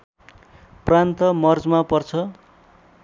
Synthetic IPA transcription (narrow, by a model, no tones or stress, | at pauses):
prant̪ʌmʌrd͡zmapʌrt͡sʰʌ